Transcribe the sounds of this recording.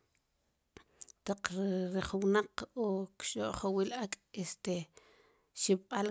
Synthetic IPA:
t̪aq͡χɾiχuwnaqokʃoʔχowilʔakʼest̪e | ʃip̚ɓal

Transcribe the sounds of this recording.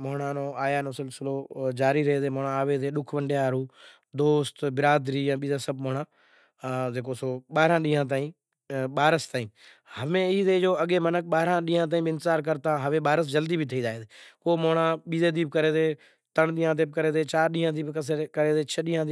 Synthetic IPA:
moːɳãːnoːaːjaːnõːsɪlsɪloːd͡ʒaːɾiːɾəɦeːd̪eːmoːɳãːaːʋeːzeːɗʊkʰʋəɳɖeːaːɾuː | d̪oːst̪bɪɾaːd̪ɾiːjãːɓiːzãːsəbmoːɳaː | d͡ʒeːkoːsoːɓaːɾãːɗĩːɦãːt̪̬aːĩː | ɓaːɾəst̪aːĩː | həmẽːiːzeːd͡ʒoːəɡeːmənək̚ɓaːɾãːɗiːãːt̪aːĩːbɪnt̪ɪzaːɾk̬əɾt̪ãːɦəʋẽːɓaːɾəsd͡ʒəld̪iːbʱiːt̪ʰəiːd̪aːeːd̪eːkoːmoːɳãːɓiːzeːd̪iːb̚kəɾeːzeː | t̪əɳɗiːãːt̪eːb̚kəɾeːd̪eːt͡ʃaːɾɗiːɦãːd̪iːbkəskəɾeːzeːt͡ʃʰəɗiːɦãːi

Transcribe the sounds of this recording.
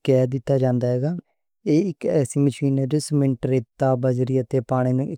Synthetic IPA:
kɛːd̪ɪt̪ːaːd͡ʒãːnd̪aːɦɛːɡaː | eːɪkɛːsiːməʃiːnɛːd͡ʒʊsmɪɳʈɾeːt̪ːaːbəd͡ʒɾiːət̪eːpaːɽ̃eːnũːɪk

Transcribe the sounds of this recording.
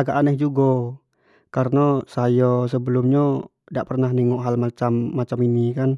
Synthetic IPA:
aɡaʔːnɛkd͡ʒuɡɔ | kaɾənasajɔsəbəlumɲa | daʔpərnahniŋɔʔɦalmat͡ʃamːat͡ʃaminikan

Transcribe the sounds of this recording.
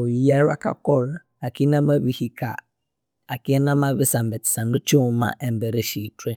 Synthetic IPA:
ojijaɾa̰ka̰kɔɾ | akinamaβihika̰ | akinamaβisambɛtsanut͡ʃoma̰ʔɛmbɛɾeʃitwe

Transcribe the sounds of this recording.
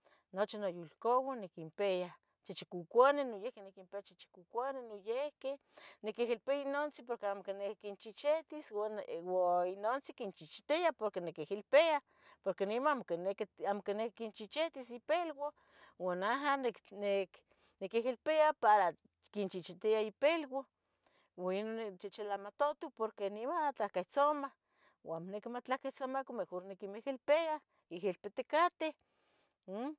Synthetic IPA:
not͡ʃinojulkowanekimpea | t͡ʃit͡ʃikukʷanenojehkenekimpeat͡ʃit͡ʃi̥kukʷanenojehke | nekeɦilpeainont͡sipoɾkeamokinekint͡ʃit͡ʃet̪iswawainont͡sikint͡ʃit͡ʃt̪eapoɾkenekehilpea | poɾkenimaamoknekamokinekikint͡ʃit͡ʃet̪isipelwo | wanaɦannek | nikiɦilpeapaɾa | kint͡ʃit͡ʃit̪iaipelwo | wainonet͡ʃit͡ʃelamat̪ot̪ipoɾkenimat͡ɬahkeht͡soma | wamonekimat͡ɬahkeht͡somakomexoɾnekimehilpea | ihilpet̪ekat̪eh

